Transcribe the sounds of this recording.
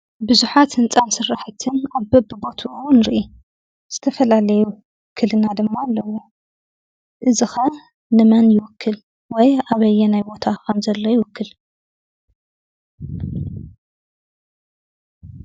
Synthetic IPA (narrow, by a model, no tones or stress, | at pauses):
bɨzuħat̪hɨnt͡sʼansɨrːaħɨt̪ʰɨnaβbɐbɨbo̞t̪ʰunɨɾʔi | z̥ɨt̪ʰɐfɐlalɐjuw | wkʰːɨlɨnad̪ɨmːaːlːɐwːu | ʔɨzixɐ | nɨmɐnjɪwʊkʰːɨl | wɔjaβɐjːɛnajbo̞t̪ʰakʰɐmzɐlːo̞jɪwʊkʰːɨl